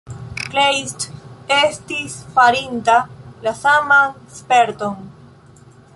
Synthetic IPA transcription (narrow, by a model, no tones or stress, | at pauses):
klejstestisfaɾintalasamanspe̞ɾto̞n